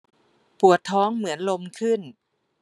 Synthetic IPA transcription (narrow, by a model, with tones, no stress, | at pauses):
pu˨˩ət̪ʰːɔː˦˥ŋmɯ˩˦ənlo˧mkʰɯ˥˩n